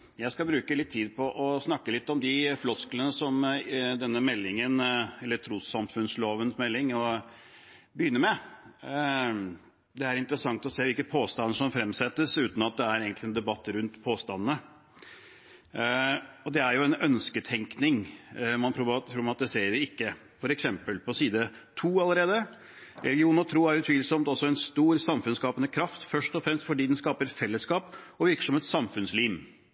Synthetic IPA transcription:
jæɪskɑbɾʉːkəlɪt̪ʰːiːd̪̚pʰɔʔɔsnɑkːəlɪt̪ːɔmd̪ɪflɔsklənəsɔmd̪ɛnːəmɛlːɪŋənɛlːəʈ̪ʰɾuːsɑmfʉnsloːʋənsmɛlːɪŋɔ | bəjʏnːəmɛ | d̪ɛæɾɪnt̪əɾəsɑŋt̪ɔseːʋɪlkəpʰoːst̪ɑnːəʂɔmfɾɛmːsɛt̪ːəsʉːt̪nɑt̪̚d̪ɛæɾeːɡənt̪lɪɛnd̪ɛbɑt̪ːəɾʉnt̪pʰoːst̪ɑnnə | ɔd̪ɛæɾjʊɛnœnskət̪ʰɛŋknɪŋmɑntʰɾʊt̪ʰɾʊɾmɑt̪ːɪseːɾɪkːə | fɔɾɛksɛmpəlpʰɔsiːd̪ə | t̪ʰuːɑləɾeːd̪ə | ɾɛ̰lɡɪuːnɾɔt̪ʰɾuːæɾʉt̪ʰʋiːlsɔmt̪ɔsɔɛnst̪uːɾsɑmfʉnskɑːpənəkʰɾɑft̪fœʂʈɔfɾɛmst̪fɔɖiːd̪ɛnskɑːpəɾfɛlːəskɑːpɔʋɪɾkə̥ʂɔmɛt̪sɑmfʉnsliːʋ

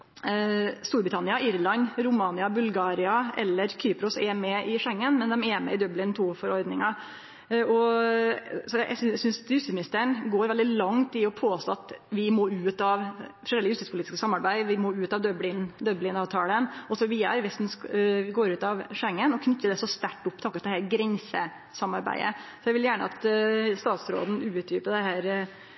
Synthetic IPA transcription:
st̪uːɾbɾɪt̪ʰɑnɪɑʔɪɾlɑnɾʊmɑːnɪɑbʉlɡɑːɾɪɑʔɛ̰lːəɾkʰyːpɾʊsɛmɛʔɪʂɛŋːənmɛnd̪ɛmɛmɛ̰ɪd̪œblɪnt̪ʰuːfɔɾɔɾd̪nɪŋɑ | ɔ | sɔæ̰sʏnsjʉst̪ɪsmnɪst̪əəɳɡoːɾʋɛld̪ɪlɑŋt̪ɪɔpʰoːst̪oːɑt̪ʋɪmoːʉːt̪ɑʋfʰɾɔɛləjʉst̪ɪspʊliːt̪ɪskəsɑmːɑɾbæɪʋɪmoːʉːt̪ɑʋd̪œblɪnd̪œblɪnɑːʋt̪ʰɑːlənɔsɔʋiːəɾʋɛst̪n̩sʋɪɡoːɾʉːt̪ɑʋʂɛŋːənɔkʰnʉt̪ːəɖ̪ɛsɔst̪æʈːʊpːt̪ʰɑːkːəst̪d̪ɛhæɾɡɾɛnsə̰ | sɑmɑɾbæ̰ɪə̰sɔjæɪʋɪljæːɳə̰ɑ̰t̪st̪ɑːt̪sɾo̰ːd̪n̩ʉːt̪ʰjyːpəd̪ɛhæːɾ

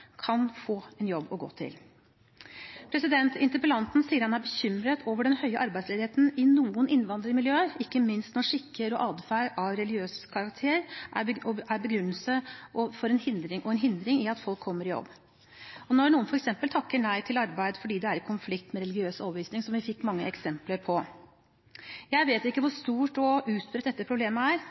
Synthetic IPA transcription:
kʰɑnfoːɛnjɔbːɔɡo̰ːt̪ʰɪ̰l | pʰɾɛsɪd̪ɛnt̪ɪnt̪əɾpəlɑnt̪n̩siːəɾhɑnæɾbəçʏmɾət̪ʰoːʋəɖɛnhœʏəʔɑɾbæɪd̪sleːd̪ɪheːt̪n̩ɪnuːənʔɪnːʋɑnd̪ɾəmɪljøːəɪkːəmɪnst̪nɔʂɪkːəɾɔʔɑːd̪fæɪɾɑʋɾɛlɡɪøːskʰɑɾɑk̚t̪ʰeːəɾʔæɔæɾbəɡɾʉnːəlsəɔfɔɾɛnhɪnd̪ɾɪŋʔɔɛnɦɪnd̪ɾɪŋɪɑt̪fɔlkʰːɔmːəɾɪjɔ̰bː | ɔnɔɳuːənfɔɾɛksɛmpəlt̪ʰɑkːəɳæɪt̪ʰɪlɑɾbæɪd̪fɔɖiːd̪ɛæɾɪkʰʊnflɪkt̪mɛɾɛlɪɡɪøːsɔbʋiːsnɪŋsɔmʋɪfɪkːmɑŋːəɛksɛmpləɾpʰɔ | jæɪʋeːt̪ɪkːəʋʊʂt̪uːʈɔʔʉːt̪pɾət̪d̪ɛt̪ːəpʰɾʊbleːməæɾ

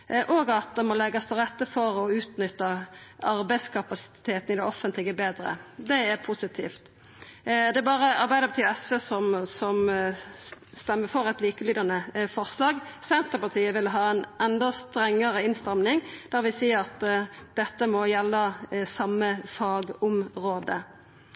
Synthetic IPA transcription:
ʔɔɡɑt̪̚d̪ɛmɔlɛɡːɑst̪ʰɪʁɛt̪ːəfɔɾɔʉːt̪nʏt̪ːəɑɾbæɪd̪skʰɑpɑsɪ̥t̪ʰeːt̪ən̩ɪd̪ɛɔfənt̪ʰlɪɡəbeːd̪ɾə̰d̪ɛæʁpʰusɪt̪ʰḭːft̪ | d̪ɛæbɑːɾəɑɾbæɪd̪əbət̪yːɛsʋeːsɔmsɔm | st̪ɛmːəʁfɔʁɛɪt̪liːkəlyːd̪ɑnəfɔʁslɑːɡsɛnt̪əpɑʁt̪ʰiːəʋɪlɦɑːɛnʔɛnd̪ɔst̪ɾɛŋːəɾəɪnst̪ɛmnɪŋd̪̥æːʁɾʋɪsiːəɾɑt̪ːd̪ɛt̪ːəmɔjɛlːəsɑmːəfɑːɡɔmʁoːd̪ə̰

